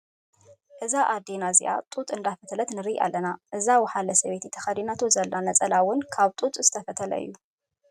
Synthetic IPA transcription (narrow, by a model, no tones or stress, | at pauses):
ʔɨzaʔad̪enazḭʔa̰t̪ʼut̪ʼɨnd̪afɐt̪ʰlɐt̪nɨɾijʔa̰lːɐnaʔɨzawħalɐsɐβet̪ʰit̪ʰɐxɐd̪inat̪ʰozɐlːanɐt͡sʼɐlawʊnkʰaβt̪ʼut̪ʼzɨt̪ʰɐfɐt̪ʰɐlɐ̰ɨ̰jːu